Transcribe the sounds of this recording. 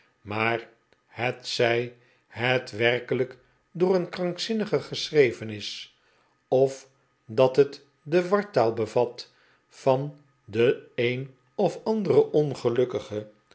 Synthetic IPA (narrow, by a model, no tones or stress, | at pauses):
maːɹ | hətsɛj | hɛtʋɛrkələk | dʊːənkrɑŋksɪnəχəχəsrejvənɪs | ɔf | dɑtɦət | dəʋɑɹtaːlˠbəvɑt | fɑn | dəejn | ɔfɑndərəʔɔnχəlɵkəχə